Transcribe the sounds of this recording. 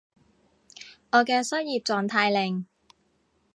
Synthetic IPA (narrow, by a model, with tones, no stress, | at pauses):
ŋɔː˨˧kɛː˧sɐ˥t̚jiː˨p̚t͡sɔː˨˩ŋt̪ʰaː˧jlɪ˨˩ŋ